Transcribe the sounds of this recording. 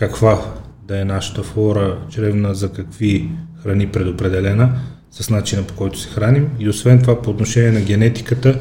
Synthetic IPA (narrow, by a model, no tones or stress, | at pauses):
kɐkvad̪ɐɛnaʃə̥t̪əflˠɔɾət͡ʃɾɛvnəzɐkɐkvixɾɐnipɾɛd̪opɾɛd̪ɛlɛnə | sɐsnat͡ʃinəpo̥kɔjt̪ʊ̥sɛ̥xɾanimiosvɛnt̪ovapoːt̪noʃɛniɛnɐɡʲɛnɛt̪i̥kət̪ə